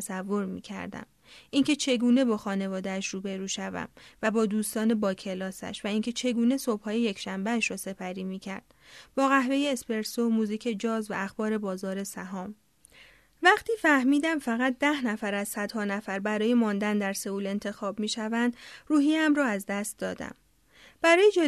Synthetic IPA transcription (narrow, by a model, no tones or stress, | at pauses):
sævːo̞ɾmḭːcʰæ̰ɾd̪æ̰m | ʔiŋcʰe̞t͡ʃʰe̞ɡuːne̞bɒːxɒːne̞vɒːd̪æːʃruːbe̞ɾuːʃævæ̰mvæbɒːd̪uːst̪ɒːne̞bɒːcʰe̞lɒːsæ̰ʃvæiːŋcʰe̞t͡ʃʰe̞ɡuːne̞so̞b̥hɒːje̞je̞cʰʃæmbeæʃɾɒːse̞pʰæɾiːmiːcʰæ̰ɾd̪̥b̥ɒːɣæɦve̞je̞ːspe̞ɾsomuːziːcʰe̞d͡ʒɒːzvæ̰ːxb̥ɒːɾe̞bɒːzɒːɾe̞sæɦɒːm | væχt̪ʰiːfæhmiːd̪æmfæɣæt̪̚ʰd̪æhnæfæɾæzsæd̪hɒːnæfæɾbæɾɒːje̞mɒːnd̪ænd̪æɾse̞uːle̞nt̪ʰe̞xɒːbmiːʃævænd̪ruːɦiːæmrɒːæzd̪æst̪̚d̪ɒːd̪æ̰m | b̥æɾɒːjed͡ʒe